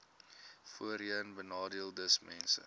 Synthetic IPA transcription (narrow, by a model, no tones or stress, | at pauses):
fuəɾiənbənɑːdiəlˠdəsmɛnsə̰